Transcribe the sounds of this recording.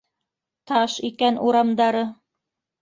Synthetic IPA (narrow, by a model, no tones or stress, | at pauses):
t̪ɑʃikænʔuɾɑmd̪ɑɾɤ